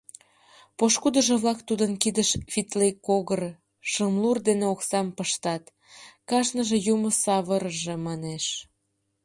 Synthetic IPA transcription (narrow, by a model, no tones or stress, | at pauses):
poʃkud̪əʒĕβlɑkt̪ud̪ənkid̪əʃvit̪lekoɣər | ʃəmlurd̪eneoksɑmpəʃt̪ɑt̪ | kɑʃnəʒĕjuməsɑβəɾəʒemɑneʃ